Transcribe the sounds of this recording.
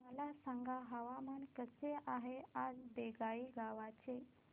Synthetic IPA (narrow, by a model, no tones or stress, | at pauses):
məlasəŋɡʱaɦəʋamankəseʔaɦead͡zbeɡaiɡaʋat͡ʃʰe